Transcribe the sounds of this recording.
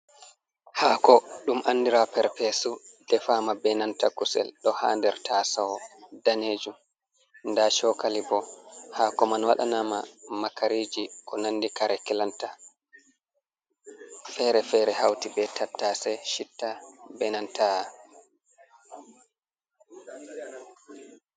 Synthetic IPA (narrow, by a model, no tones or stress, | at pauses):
haːkɔɗumʔanːdiɾapɛɾpɛsudɛfaːmabɛnantakusɛ̰lɗɔha̰ːndɛɾtʰasawɔdaneːd͡ʒum | ndaʃɔkalibɔhakɔmanwa̰ɗa̰nama̰makaɾiːd͡ʒikɔnanːdikaɾɛkɛlanta | fɛɾɛfɛɾɛhawtibɛtʰatːasɛʃitːabɛnanta